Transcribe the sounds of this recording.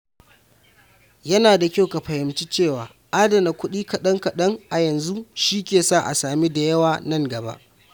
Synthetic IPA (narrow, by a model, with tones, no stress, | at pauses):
jɐ˦naː˨da˨kʲa˦wka˨ɸɐ˨hɪ˨mt͡ʃi˦t͡ʃeː˦˨waː˨ | ʔaː˦dɐ˨na˨kʷʊ˦ɗiː˦kɐ˨ɗɐ˦ŋkɐ˨ɗɐ˦ŋʔa˨jɐ˨nzu˦ʃiː˦kʲeː˨saː˦˨ʔa̰˨saː˨mi˦da˨jɐ˦waː˨nɐ˦ŋɡɐ˨ba̰˦ʔ